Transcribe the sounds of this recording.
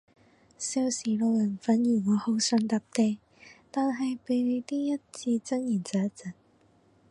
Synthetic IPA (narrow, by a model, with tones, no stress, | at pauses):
si˧wsiː˨˩lo˨˧wjɐ˨˩nfɐ˨˥njiː˨˩ŋɔː˨˧ho˨˥wsœː˨˧ŋt̪aː˨˧p̚t̪e˧j | t̪aː˨nɦɐ˨jpe˨˧jne˨˧t̪iː˥jɐ˥t̚t͡sʰiː˧t͡sɐ˥ŋjiː˨˩nt͡saː˨˧˥t͡sɐ˨˩n